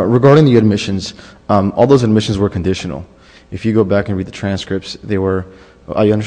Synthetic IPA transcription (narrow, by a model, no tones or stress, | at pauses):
ɹɨɡɑɹɾɪ̃ŋðiɨd̚mɪʃɨ̃nz̥ | ʔɔ̰lˠðoʊzɨd̚mɪʃn̩zwə˞kʰɨ̃n̩dɪʃn̩l̩ˠ | ɨfjɨɡoʊbækɨ̃n̩ɹid̪̚ðɨtʰɹ̥æ̃nskɹɪp̚tsðeɪwə˞ | ə̰jɨʌ̃ndə˞